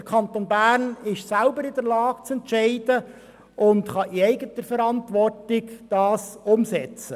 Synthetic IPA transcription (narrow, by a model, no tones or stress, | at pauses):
əɾkʰɑnt̪onbæːɾnɪʃsælbəɾɪdəɾlɑːɡ̥t͡sɛntʃɛɪd̥ə | ʔʊntχɑʔiɛɪɡətəfɛɾɑntʋɔrtɪɡd̥ɑːsʊmsɛt͡sə